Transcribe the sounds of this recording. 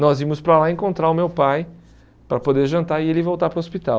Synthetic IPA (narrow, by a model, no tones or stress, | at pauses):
nɔzimʊspɾalaẽkõnt̪ɾaɾʊmewpaj | pɾɐpod̪eɾʒɐ̃nt̪aɾɪelɪvowt̪aɾpɾɐospit̪a